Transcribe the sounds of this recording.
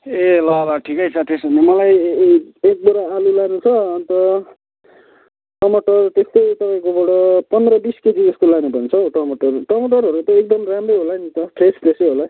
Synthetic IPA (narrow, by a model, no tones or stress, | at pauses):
elʌlaʈʰikʌjt͡sʰʌt̪esbʱʌnemʌlaj | ek̚boɾaːlulanũt͡sʰʌːnt̪ʌ | ʈʌmoʈʌrt̪est̪ʌjt̪ʌpãĩkobʌɽʌpʌnd̪ɾʌbisket̪id͡zʌskolanebʱʌnt͡sʰʌʈʌmoʈʌrʈʌmoʈʌɾɦʌɾut̪ʌek̚d̪ʌmramrʌjɦolanit̪ʌʈrespreseɦola